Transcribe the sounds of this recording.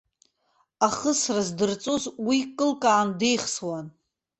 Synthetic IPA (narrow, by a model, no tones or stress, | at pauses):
aχəsrazdɨrt͡sʼozwikʼɨlkʼaːnde̞jχswan